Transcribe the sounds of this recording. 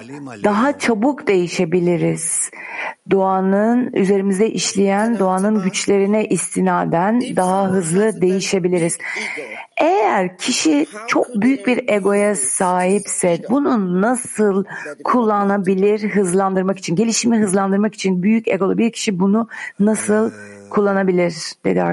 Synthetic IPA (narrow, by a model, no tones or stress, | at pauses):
d̪aɦat͡ʃʰabukd̪e̞jiʃe̞bilʲiɾiz̥ | d̪oanɯny̰ze̞ɾimizd̪ɛʔiʃlʲejænd̪oanɯnɟyt͡ʃlʲe̞ɾinɛʔist̪ʰinaːd̪ænd̪aɦaɦɯzlˠɯd̪e̞jiʃe̞bilʲiɾiz̥ | ejæɾcʰiʃit͡ʃʰo̞k̚byjyc̚biɾeɡo̞jasaːɦipsɛbununasɯlˠkʰulˠːanabilʲiɾɦɯzlˠand̪ɯɾmaki̥t͡ʃʰinɟe̞lʲiʃimiɦɯzlˠand̪ɯɾmaki̥t͡ʃʰinbyjycḛɡolˠabicʰi̥ʃibununasɯlˠ | kʰulˠːanabilʲiɾd̪̥e̞̰d̪ia̰